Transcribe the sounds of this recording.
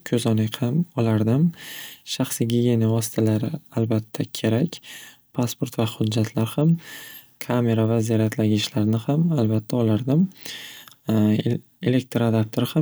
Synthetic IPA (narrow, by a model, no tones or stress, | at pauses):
kʲʰɵzɒnɪhamɒlaɾd̪ɪmʃaχsiɡʲiɡʲe̞nɪvɒsɪ̥t̪ʰalaɾɪalbat̪ʰːakʲʰe̞ɾakʲ | pʰaspo̞ɾt̪vahʊd̪d͡ʒːat̪ʰlaɾham | kʰame̞ɾavazeɾat̪ʰlaɡʲɪʃlaɾnɪhamalbat̪ʰːaɒlaɾd̪ɪm | ele̞k̚t̪ɾad̪ap̚t̪ʰoɾɪha